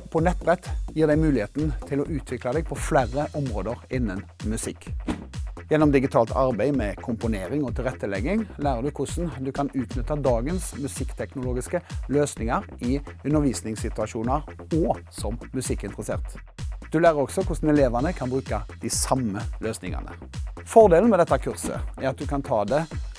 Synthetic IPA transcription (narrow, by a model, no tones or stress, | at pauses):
pʰɔnɛt̪̚ːbʁɛt̪ːjiːʁd̪æɪmʉːlɪheːt̪n̩t̪ʰɪlɔʔʉːt̪ʰʋɪklɑd̪ɛːɡ̚pʰɔflæɾəʔɔmʁoːd̪əʁɪnːən | mʉsɪkː | jɛnːɔmd̪ɪɡɪt̪ʰɑːlt̪ʰɑʁbæɪmɛkʰʊmpʊneːɾɪŋɔt̪ʰɪlʁɛt̪ːəlɛɡːɪŋlæːʁəʁd̪ʉkʰʊsn̩d̪ʉkʰɑnʉːt̪nʏt̪ːəd̪ɑːɡənsmʉsɪkːt̪ʰɛknʊloːɡɪskəløːsnɪŋɑɾɪʉnːəʁʋiːsnɪŋsɪt̪ʉɑʂuːnəʁɔsɔmːʉsɪkːɪnt̪ʁəsḛːʁt̪ | d̪̥ʉlæːɾəʁɔksɔkʰʊsn̩ɛleːʋɑnəkʰɑnbʁʉːkɑd̪̥ɪsɑmːəløːsnɪ̰ŋɑ̰nə̰ | fɔʁd̪eːln̩mɛd̪ɛt̪ːɑkʰʉʁsə̰æʁɑt̪̚d̪ʉkʰɑnt̪ʰɑːd̪ɛ